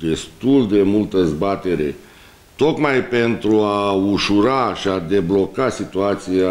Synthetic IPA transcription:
d̪e̞st̪uld̪e̞mult̪əd̪ezbat̪e̞ɾe̞ | t̪o̞kmajpe̞nt̪ɾuauʃuɾaʃiad̪e̞blo̞kasit̪uat̪sija

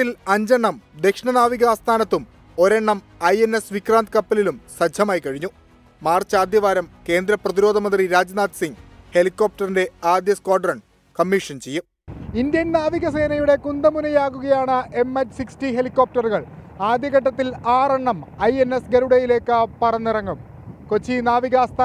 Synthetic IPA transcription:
ilɐɲd͡ʑɐɳːɐmd̪ekʂɳɐnaːʋiɣɐːst̪ʰaːnɐt̪ːum | o̞ɾeɳːɐm | ɐjene̞sʋikraːnt̪ɨkɐpːɐlilumsɐd͡ʑʱɐmaːjikɐɻiɲːu | maːrt͡ɕaːd̪jɐʋaːɾɐmke̞ːnd̪ɾɐprɐðiɾo̞ːd̪ʱɐmɐnd̪riɾaːd͡ʑnaːt̪siŋɡhe̞likːoːp̚ʈɐrinde̞aːd̪jɐskwaːɖrɐɳ | kɐmːiʂɐnt͡ɕejːu | ind̪jɐnnaːʋiɣɐs̬e̞ːnɐjuɽe̞kund̪ɐmunɐjaːɣuɣɐjaːɳɨʔe̞mɐtːsikstiɦe̞likːo̞ːp̚ʈɐruɣɐɭ | aːd̪jɐɣɐʈ̬ːɐt̪ːilaːreɳːɐmɐjenːe̞sɡeɾuɽɐjile̞ːkːɨpɐrɐnːirɐŋɡɐm | ko̞t͡ɕːinaːʋiɣaːst̪a

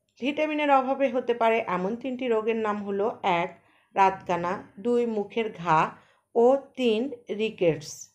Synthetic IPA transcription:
lʱiʈabineɾɔbʱabeɦot̪epaɾeʔɛmont̪inʈiɾoɡeɾnamɦoloɛk | ɾat̪kanad̪ujmukʰeɾɡʱa | ot̪inɾikeɖs

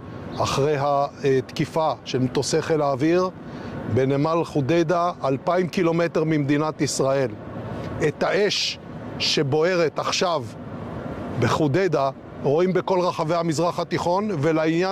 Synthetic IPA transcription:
aχʁejɦat̪kifaʃe̞lmet̪o̞se̞χelaːviʁbenemalχud̪ed̪aʔːlpaimkilo̞met̪eʁmimd̪inat̪isʁae̞let̪haeʃ | ʃe̞bo̞e̞ʁet̪aχʃav | beχuded̪a | ʁoimbe̞ko̞lʁaχave̞jhamizʁaχat̪iχo̞nvelainja

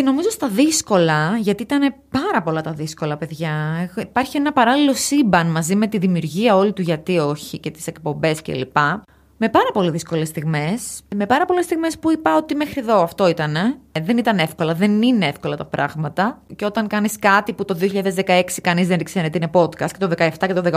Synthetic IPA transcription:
ceno̞mizost̪ɐðisko̞lɐʝɐt̪iit̪ɐne̞pɐɾɐpo̞lɐt̪ɐðisko̞lɐpe̞ðʝɐeipɐɾçie̞nɐpɐɾɐlilo̞sibɐnmɐzime̞t̪iðimiuɾʝiɐo̞lit̪uʝɐt̪io̞çice̞t̪i̥se̞kpo̞mbe̞scḛlipɐ | me̞pɐɾɐpo̞liðisko̞le̞st̪iɣme̞sme̞pɐɾɐpo̞le̞st̪iɣme̞spuipɐo̞t̪imexɾieðo̞ɐft̪o̞it̪ɐne̞ðe̞nit̪ɐne̞fko̞lɐðe̞nineefko̞lɐt̪ɐpɾʔɐ̰ɣmɐt̪ɐceo̞t̪ɐŋkɐniskɐt̪iput̪o̞ðioçiʎɐðezðekɐe̞ksikɐnizðenɾiksenet̪inepo̞t̪kɐst̪cet̪oðe̞kɐeft̪ɐcet̪oðek

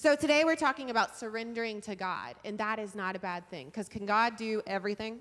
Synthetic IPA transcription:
soʊtʰɨɾeɪwɨɹtʰɔkɪ̃ŋɨbaʊtsə˞ɛ̃ndə˞ɪ̃ŋtʰɨɡɑ̰ɾɨ̃nðəɾɨznəɾɨbæd̪̚θɪ̰̃ŋkʰʌz̥kʰɨ̃nɡɑdɨʔɛvɹiθɪ̃ŋ

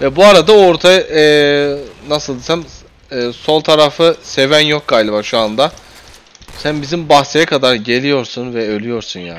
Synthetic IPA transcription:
vɛbuaɾad̪ao̞ɾt̪ʰaɛ | nasɯlˠd̪isamː | so̞lˠt̪ʰaɾafɯse̞vænjok̚ɡajlʲˠɯbaɾʃuand̪a | sænbizimbaxsejakʰad̪aɾɟe̞lʲijo̞ɾsunvɛølʲijo̞ɾsunja̰ː

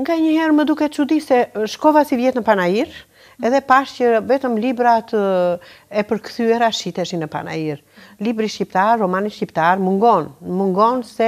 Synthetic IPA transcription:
ŋɡaɲəhɛɾməd̪ukɛt̪t͡ʃud̪isɛʃkɔvasivjɛt̪nəpanaiɾ | ɛðɛpaʃcəvɛt̪əmlibɾat̪ | ɛpəɾkθyɛɾaʃit̪ɛʃinəpa̰na̰iɾ | libɾiʃcipt̪aɾːɔmaniʃcipt̪aɾmuŋɡɔnmuŋɡɔnsɛ

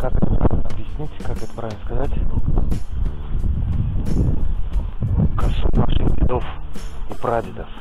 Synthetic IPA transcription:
kakɛt̪əppavʲɪlnəɐbjɪsʲnʲitʲkakɛt̪ə̥pɾavɪlnəskazatʲ | kasunaʂɨxbʲɪd̪ofipɾad̪ʲɪd̪əf

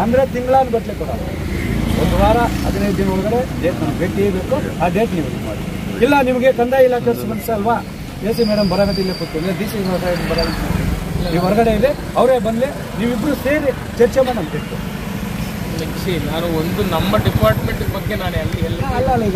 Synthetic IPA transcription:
ɐnd̪ɐɾe̞t̪iŋɡɭaːnuɡɐʈlekuːɽɐ̰ | ond̪uʋaːɾɐɐ̰d̪ɐned̪inɦɔɭɐɡɐɽeɖeːʈnɐmbeːʈeːbeːkuaːɖeːʈniːʋɐ | ilːɐnimɐɡe̞kɐnd̪aːjilɐk̚ʈɐɾsbɐnsɐɐlʋa | d͡ʒeːsimɛːɽɐmbɐɾaːɡɐd̪ilːeput̪ːuɐnd̪ɾed̪iːsiɾɐsaɐd̪ubɐɾaɡit̪ːɐniːʋɦɔɾɐɡɐɽeid̪e | ɐʋɾeːbɐnd̪li | niːʋibːɾuseːɾi | t͡ʃɐɾt͡ʃemɐnɐmɐbeːʈːu | meksinaːnuond̪unɐmːɐɖipaːɾʈmeɳʈuɡbɐɡːenaːneɐlːiɛlːɐɐlːɐlːɐiɡ

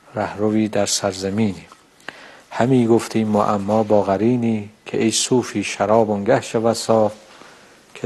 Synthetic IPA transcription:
ɾæhɾoviːd̪æɾsæɾzæmiːni | hæmiːɡoft̪ʰiːmːo̰ʔamːɒːbɒːɣæɾiːniːkʰeʔejsuːfiːʃaɾɒːboŋɡæhʃevæsɒːf | kʰe

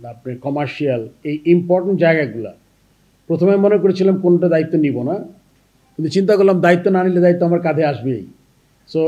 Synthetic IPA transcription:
ap̚nekɔmaɾʃialejimpɔɾʈeɳʈ̚d͡ʑaeɡaɡula̰ | pɾot̪ʰomemonekoɾet͡ɕʰilamkonoʈad̪ait̪ːonibona | kint̪ut͡ɕint̪̬akoɾlamd̪ait̪ːonaniled̪ait̪ːoamaɾkad̪ʱeaʃbḛj | so

